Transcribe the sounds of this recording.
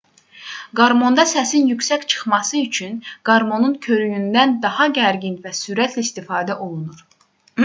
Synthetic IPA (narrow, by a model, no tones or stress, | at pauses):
ɡɑɾmo̞nd̪ɑsæsinjycʲsæct͡ʃʰɯ̥χmɑsɯyt͡ʃʰynɡ̥ɑɾmo̞nuncʰø̞ɾyjynd̪ænd̪ɑhɑɟæɾɟinvæsyɾæt̪ʰlæist̪ifɑːd̪æʔo̞lˠunuɾ